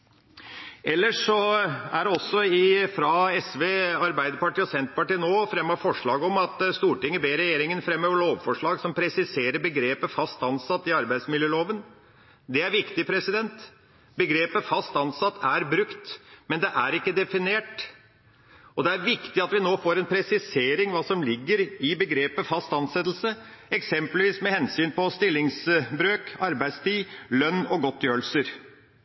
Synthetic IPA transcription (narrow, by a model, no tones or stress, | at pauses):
ʔɛlːəʂɔæɖɛɔsːɔɪfɾɑɛsʋeːɑɾbæɪd̪əɾpɑʈiːɔsɛnt̪pɑʈiːnoːfɾɛmːɑɾfɔʂɭɑːɡəɔmɑt̪st̪uːʈɪŋːəbeːɾɛjeːɾɪŋənfɾɛmːøːʋəɭoːʋfɔʂɭɑːɡsɔmpʰɾɛsɪseːɾəɾbəɡɾeːpəfɑst̪ɑnsɑt̪ːɪɑɾbæɪd̪smɪljøːloːʋən | d̪ɛæɾʋɪkt̪ɪpʰɾɛsɪd̪ɛnt̪ | bəɡɾeːpəfɑst̪ɑnsɑt̪ːæɾbɾʉkt̪mɛnd̪ɛʔæɾɪkːəd̪ɛfɪneːʈ | ɔd̪ɛæɾʋɪkt̪ɪɑt̪ʋɪnoːfoːɾɛnpʰɾɛsɪseːɾɪŋʋɑːsɔmlɪɡːəɾɪbəɡɾeːpəfɑst̪ɑnsɛt̪l̩səɛksɛmpəlʋiːsmɛhɛnsyːnpɔst̪ɪlːɪŋsbɾøːkɑɾbæɪst̪ʰiːlœnːɔɡɔt̪ːjøːlsəɾ